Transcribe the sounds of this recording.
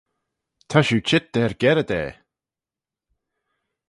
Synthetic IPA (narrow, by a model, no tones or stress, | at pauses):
t̪ʰaʃuːt͡ʃʰɪt̪̚d̪̥ɛːɹɡɛɾəd̪ɛ̰ː